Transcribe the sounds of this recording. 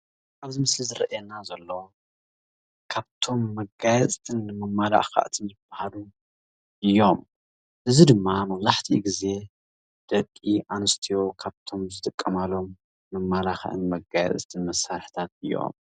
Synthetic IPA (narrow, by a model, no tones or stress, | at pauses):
ʔaβzimɨslizɨɾɐ̰ʔjɛnazɐlːo̞ | kʰaβt̪ʰo̞mːɐɡajɛt͡s̪ʼt̪ʰʼɨnːɨmɐmːala̰ʔxa̰ʔt̪ʰɨnzɨb̥ːahalu | ʔɨjːo̞m | ʔɨzid̪ɨmːamɐβzaħt̪ʰḭɡize̞ | d̪̥ɐkʼːiʔanɨst̪ʰijo̞kʰaβt̪ʰo̞mzɨt̪ʼɨkʼːɐmalo̞mː | ɐmːalaxʔɨ̰nmɐɡajɛ̰t͡s̪ʼt̪ʰʼɨnmɐsːaɾħi̥t̪ʰat̪̚ɨjːo̞̰m